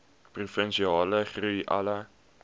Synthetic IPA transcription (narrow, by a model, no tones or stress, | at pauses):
prufənʃiɑːləχrujʔɐ̰lə